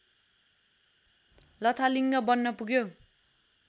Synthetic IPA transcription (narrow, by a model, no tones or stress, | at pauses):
lʌt̪ʰaliŋɡʌbʌnːʌpuɡjo